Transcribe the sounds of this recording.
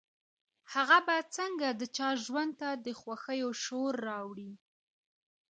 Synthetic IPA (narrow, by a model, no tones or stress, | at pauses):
haɣabat͡səŋɡad̪ət͡ʃɑʒwand̪̚t̪ad̪əxwaxəjoʃoɾːɑwɽi